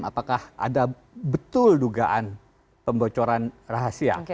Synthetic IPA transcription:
ma̰pakahʔa̰da | bət̪ʊlduɡaʔan | pəmbot͡ʃoɾanraɦasia̰

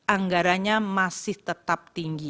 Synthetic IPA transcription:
ʔaŋɡaɾaɲamasɪht̪ət̪ap̚t̪iŋɡi

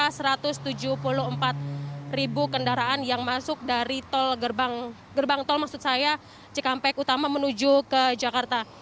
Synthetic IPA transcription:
asəɾat̪ʊst̪ud͡ʒuhpulʊɦəmpat̪̚ribukəndaɾaʔanjaŋmasʊk̚daɾit̪ɔlɡərbaŋ | ɡərbaŋt̪ɔlmak̚sʊt̪saja | t͡ʃəkampɛkut̪amamənud͡ʒukəd͡ʒakart̪a

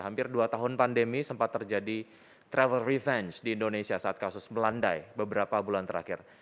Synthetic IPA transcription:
ɦampɪrduat̪aɦʊnpandemisəmpat̪ːərd͡ʒadi | t̪ɾɛvəlrivɛnt͡ʃdiːndonesiasaːt̪̚kasʊsməlandajbəbəɾapabulant̪əɾa̰kɪr

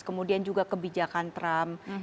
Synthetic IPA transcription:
kəmudiand͡ʒuɡakəbid͡ʒakant̪ɾam

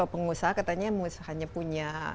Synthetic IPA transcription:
apəŋusaɦakat̪aɲamusahaɲapuɲa

